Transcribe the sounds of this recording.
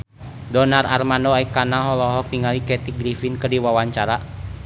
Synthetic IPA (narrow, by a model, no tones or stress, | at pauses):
dɔnararmanɔaikanaɦɔlɔɦɔk̚t̪iŋalikɛt̪iɡɾifinkədiwawaɲt͡ʃaɾa